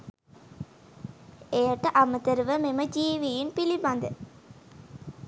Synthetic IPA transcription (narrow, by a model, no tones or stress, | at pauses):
ejəʈəʔamət̪əɾuʋəmeməd͡ʒiːʋijinpiliband̪ə